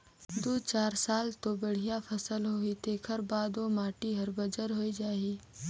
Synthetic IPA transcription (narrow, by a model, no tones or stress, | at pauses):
d̪uːt͡ʃaːɾsaːlt̪obɐɽ̤ijapʰɐsəlɦoːit̪eːkʰəɾbaːd̪omaːʈiɦɐɾbəd͡ʒəɾɦoːid͡ʒaːiː